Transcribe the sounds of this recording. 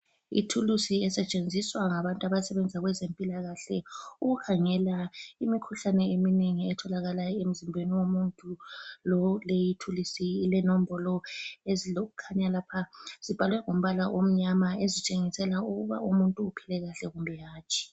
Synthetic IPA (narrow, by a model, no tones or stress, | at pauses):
ḭtʰulusiɛsɛt͡ʃʼend͡zʱiswaŋaβantʼuaβasɛβend͡zʱaɣwɛzempʼilaɣaɬɛuɣukʰaŋɛlaimikʰuɬanɛemineŋiɛtʰɔlaɣalajɔem̩zimbʱweniwomuntʼulɔlejitʰulisiːlɛnɔm̩bɔlɔeziloɣukʰaɲalapʰaz̥ib̥ʱalwɛŋom̩βalaʔom̩ɲamaezit͡ʃʼeŋisɛlauɣuβa̰umuntʼuːpʰilɛɣaɬɛɣumbʱɛjaːt͡ʃʰʼi̥